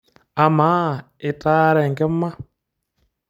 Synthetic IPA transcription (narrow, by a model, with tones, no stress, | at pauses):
a˨maː˦˨ | e˨ta˦ɾe˨ŋɡɛ˦mːa˦